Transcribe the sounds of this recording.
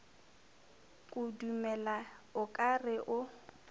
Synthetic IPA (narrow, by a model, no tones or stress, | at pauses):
kʼudumɛlaʊkʼarɪʔʊ